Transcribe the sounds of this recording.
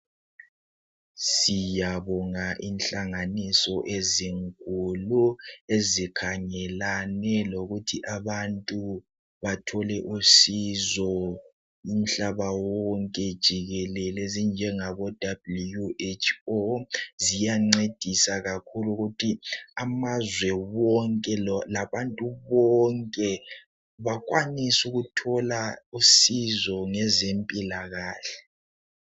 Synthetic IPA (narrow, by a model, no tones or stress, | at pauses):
sijaβɔŋaʔinɬaŋanisɔʔeziŋkʼuluezikʰaŋɛlanɛloɣutʰiʔaβantʼu | βatʰɔlɛʔusizɔ | im̩ɬaβawɔŋkʼɛd̥ʒ̥ʱiɣɛlɛlezind͡ʒʱɛŋaβɔd̥ʱablujuet͡ʃʰozijaŋ͡ǀed̥ʱisaɣakʰuluɣutʰiamazwɛwɔŋkʼɛlaβantʼuβɔŋkʼɛ | βak̬ʼwanisuɣutʰɔlausizɔŋɛzempʼilaɣaːɬɛ̥